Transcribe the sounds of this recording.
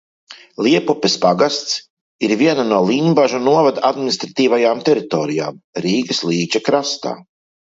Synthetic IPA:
lʲˠiɛpupʲespaɡast̪s | iɾviɛnanulˠiːɲʲbaʒunuɔvad̪aad̪mʲinist̪ɾat̪iːvajaːmt̪ɛɾit̪ɔːɾija̰ːmɾiːɡɐslˠiːt͡ʃakɾast̪a̰ː

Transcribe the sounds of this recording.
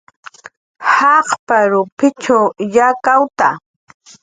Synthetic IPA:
hɑqpaɾʊpɪt͡ʃawjakawt̪a

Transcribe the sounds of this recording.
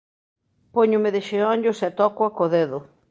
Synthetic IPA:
poɲʊmɪðeʃeɔɲʎʊsɛt̪ɔkoakoðeðʊ

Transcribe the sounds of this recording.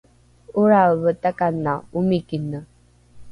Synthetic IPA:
uɾaβətakanːaumikinə

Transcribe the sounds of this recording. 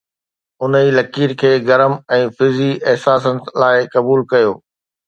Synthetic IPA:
ʊniːlɐkiːɾkʰeːɡɐɾəmɛ̃ːfɪziʔɛɦsaːsənɪ̆laːɪkɐbuːlkɐjoː

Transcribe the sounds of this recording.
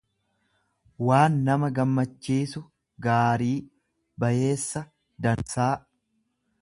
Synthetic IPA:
waːnːɐmɐɡɐmːɐt͡ʃːiːsʊ | ɡaːɾiː | bɐje̞ːsːɐ | d̪ɐnsaː

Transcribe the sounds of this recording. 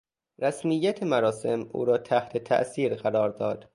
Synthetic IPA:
ɾæsmijːæt̪ʰemæɾɒːse̞mʔṵːɾɒːt̪ʰæht̪ʰet̪ʰæ̰ʔsiːɾɣæɾɒːɾd̪ɒːd̪̥

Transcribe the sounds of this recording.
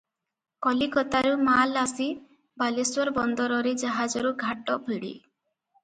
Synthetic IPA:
kɔlikɔt̪aɾumalasi | baliswɔɾbɔnd̪ɔɾɔɾed͡ʒaɦad͡ʒɔɾuɡʱaʈɔbʱiɽḭ

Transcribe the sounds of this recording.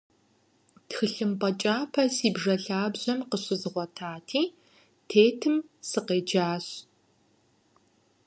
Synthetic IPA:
txɨɬɨmpʼɐt͡ʃʼaːpʰɐsiːbʐɐɬaːbʑɐmqəɕɪzɨʁʷɔtʰaːtʰiː | tʰeːtʰɨmsɨqeːd͡ʒaːɕ

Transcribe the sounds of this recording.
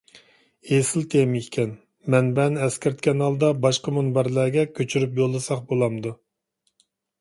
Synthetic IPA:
esɪlt̪ʰemikʲʰɛn | mɛnbɛnɛskʲɪɾɪt̪kʲɛnhɑlˠd̪ɑbɑʃqəmunbæɾlæɡʲɛkʲʰøt͡ʃʰyɾypjolˠːɨsɑχbolˠɑmd̪u

